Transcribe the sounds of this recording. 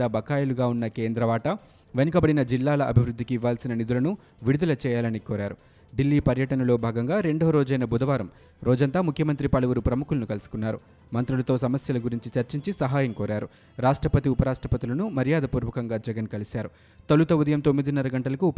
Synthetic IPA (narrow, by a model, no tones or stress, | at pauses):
ɐbɐkaːjɐluɡaːunːɐke̞ːnd̪ɾɐʋaːʈɐ | ʋenɐkɐbɐɽinɐd͡ʒilːaːlɐʔɐbʱiʋɾud̪ʱːikiːʋːaːlsinɐnid̪ulɐnu | ʋiɽud̪ɐlɐt͡ʃɛːjaːlɐnikɔːɾaːɾu | ɖilːiːpɐɾjɐʈɐnɐlo̞ːbʱaːɡɐŋɡaːɾe̞ɳɖoːɾɔːd͡ʒɐjnɐbud̪ɐʋaːɾɐm | ɾɔːd͡ʒɐnt̪aːmukʰjɐmɐnt̪ɾipɐlɐʋuɾupɾɐmukulɐnukɐlusu̥kunːaːɾu | mɐnt̪ɾulɐt̪o̞ːsɐmɐsjɐlɐɡuɾiɲt͡ʃit͡ʃɐɾt͡ʃiɲt͡ʃisɐɦaːjɐmkɔːɾaːɾu | ɾaːʂʈɾɐpɐt̪iupɐɾaːʂʈɾɐpɐt̪ilɐnumɐɾijaːd̪ɐpuːɾʋɐkɐŋɡaːd͡ʒɛɡɐnkɐlisaːɾu | t̪ɐlut̪ɐud̪ɐjɐmt̪o̞mːid̪inɐɾɐɡɐɳʈɐlɐkuːp